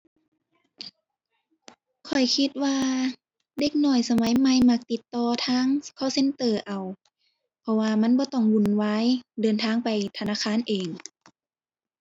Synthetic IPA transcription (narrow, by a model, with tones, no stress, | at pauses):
kʰɔ˨˩jkʰi˧t̪̚waː˧ | de˧˦k̚nɔː˧˩jsa˧ma˨˦jma˧˩jma˧˩k̚t̪i˧t̪ːɔː˧˩t̪ʰaː˧˥˨ŋkʰaː˧˥˨wse˧˥nt̪ɤː˧˩ʔa˨˩w | pʰɔ˧waː˧ma˧˥˨nbɔː˧˦t̪ɔ˧˩ŋwu˧˩˨nwaː˧˥˨jdɤː˨nt̪ʰaː˧˥˨ŋpa˨˩jt̪ʰa˧naː˧˥˨kʰaː˧˥˨nʔeː˨˩ŋ